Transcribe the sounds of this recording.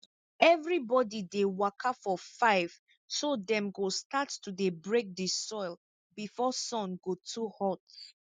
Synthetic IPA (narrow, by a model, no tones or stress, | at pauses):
ɛvɹibɔdidewakʰafɔfaɪv̥ | sodɛ̃mɡostattudebɹek̚desɔɪl | bifɔsɔ̃nɡotʰuhɔt